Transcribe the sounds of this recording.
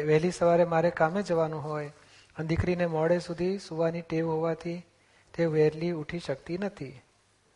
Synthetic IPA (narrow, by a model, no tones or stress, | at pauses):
ʋɛɦlisəʋaɾemaɾekamed͡ʒəʋanũɦoj | ənd̪ikɾinemɔɽesud̪ʱisuʋaniʈeʋɦoʋat̪ʰi | t̪eʋɛɾliuʈʰiʃəkt̪inət̪ʰi